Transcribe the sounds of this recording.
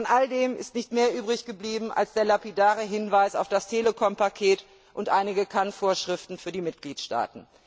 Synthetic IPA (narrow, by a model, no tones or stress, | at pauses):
ɔnʔaldeːmɪ̰stnɪçtmeːɐʔyːbʁɪçɡ̥əbliːbm̩ʔa̰lsd̥eːɐlapidaːʁəɦɪnvaɪsa̰ʊfd̥astʰeːləkʰɔmpakʰeːt | ʔʊntʔaɪnɪɡəkʰanfoːɐʃʁ̥ɪftn̩fyːɐdiːmɪt̚ɡ̥liːtʃta̰ːtn̩